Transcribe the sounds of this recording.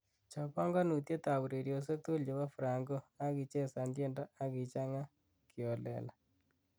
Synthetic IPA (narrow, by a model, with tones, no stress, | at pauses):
t͡ʃɔ˨pɔ˦ŋɡɔ˦nu˨t̪je˦t̪a˨wu˨ɾe˨ɾjo˨s̬e˦k̚t̪u˦ljo˨wa˦fɾa˨ŋɡo˦a˦ki˨t͡ʃɛ˦sa˨ndje˦nda˦a˦ki˨t͡ʃa˦ŋa˦ | kʰjɔ˨lɛ̰˨la˨